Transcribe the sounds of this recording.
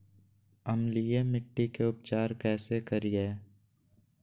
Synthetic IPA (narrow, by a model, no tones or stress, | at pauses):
əmliemɪʈːikeʊpt͡ʃaːɾkɛːsekəɾieː